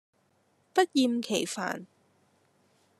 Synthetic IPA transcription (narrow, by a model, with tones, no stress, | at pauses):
pɐ˥t̚jiː˨˧mkʰe˨˩jfa̰ː˨˩n